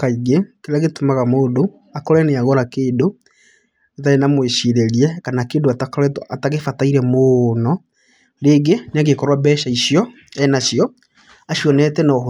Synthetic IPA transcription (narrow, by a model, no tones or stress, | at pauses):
kaiɣekeɾaɣetomaɣamoːdo | akɔɾɛneaɣɔɾakeːdo | etaenamweʃiɾeɾiɛkanakeːndoatakɛataɣefataiɾɛmonɔ | ɾeɡeneaɣekɔɾwabɛʃaiɕiɔ | ɛnaʃjɔ | aɕiɔnɛtɛna